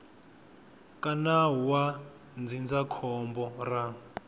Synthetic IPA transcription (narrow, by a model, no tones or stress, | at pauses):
kʼanaɦuwa | nd͡zind͡zakʰɔmbɔra